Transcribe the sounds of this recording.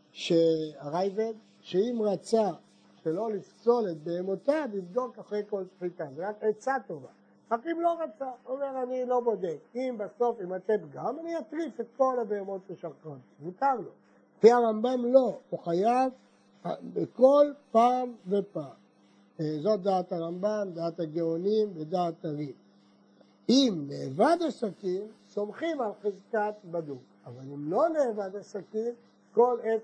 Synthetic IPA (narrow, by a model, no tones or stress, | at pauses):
ʃeaʁajved | ʃeimʁat͡sa | ʃelo̞lifso̞let̪̚be̞ːmot̪abivd̪o̞kaχʁejko̞lsfit̪azeʁaket͡sat̪o̞va̰ | ʁakimlo̞ʁat͡saome̞ʁanilo̞bo̞d̪ekimbaso̞fimat̪epɡamaniat̪ʁife̞t̪̚ko̞labeemo̞t̪beʃakon | zutaʁlo̞ | kiaʁambamlo̞uχajav | abeko̞lpamve̞pam | zo̞t̚d̪aːt̪aʁambamd̪aːt̪haɡeonimbedaːt̪aʁi | imneːvad̪asakimso̞mχimalχezkat̪baduk | avalimlo̞neːvad̪asakim | ko̞le